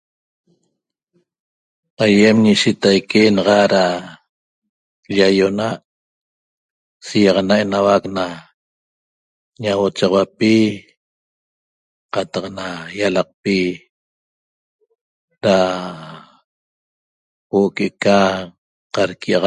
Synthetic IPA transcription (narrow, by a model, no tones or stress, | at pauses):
ajemɲiʃit̪ajkenɑʁɑɾa | ʎajonaʔ | sijɑʁɑnae̞nawakna | ɲawot͡ʃɑʁwapi | qɑt̪ɑqnajalɑq̚pi | ɾa | woʔokeka | qɑɾkiʔɑʁ